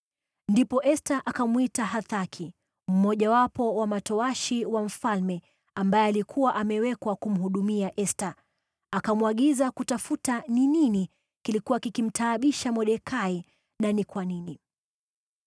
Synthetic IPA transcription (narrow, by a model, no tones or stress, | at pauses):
ndipɔʔɛstaʔakamwitaɦaθakʰi | m̩ːɔʄawapɔwamatɔaʃiwam̩falmɛ | ambajɛalikʰuwaʔamɛwɛkwakum̩ɦuɗumiaʔɛsta | akamwaɠizakutafutaninini | kilikuwakikim̩tʰaːɓiʃamɔɗɛkʰai | nanikwanini